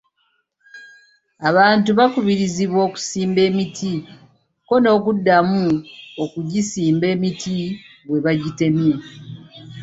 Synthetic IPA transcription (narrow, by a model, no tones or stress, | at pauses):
aβaːntuβakuβiɾiziβwoːku̥siːmbe̞ːmitʰi | ko̞no̞ːkudːamuokuɟisiːmbe̞ːmitʰi | βwe̞βaɟite̞mje